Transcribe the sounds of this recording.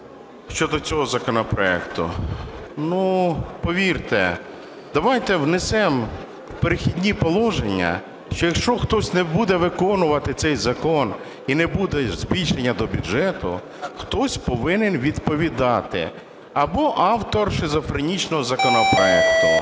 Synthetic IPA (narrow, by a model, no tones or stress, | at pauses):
ʃt͡ʃɔd̪ɔt͡sʲɔɦɔzɐkɔnɔpɾɔɛ̰kt̪ʊ̰ | nupɔʋʲirt̪ɛ̰ | d̪̥ɐʋɑjt̪ɛwnesɛm | wpeɾɪxʲidʲnʲipɔlˠɔʒenʲːɐ̰ | ʃt͡ʃɔjɐkʃt͡ʃɔxt̪ɔsʲnɛbud̪ɛʋɪkɔnʊʋɐt̪ɪt̪sɛjzɐkɔn | inɛbud̪ɛzʲbʲilʲʃenʲːɐd̪ɔbʲʊʒɛt̪ʊ̰ | xt̪ɔsʲpɔʋɪnenʋʲid̪pɔʋʲid̪ɑt̪ɪ̰ | ɐbɔʔɑwt̪ɔrʃɪzɔfɾɐnʲit͡ʃnɔɦɔzɐkɔnɔpɾɔɛkt̪ʊ